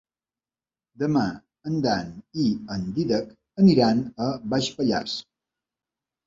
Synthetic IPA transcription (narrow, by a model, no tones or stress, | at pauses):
d̪əma | ənd̪aniənd̪iðək | əniɾanəβaʃpəʎa̰s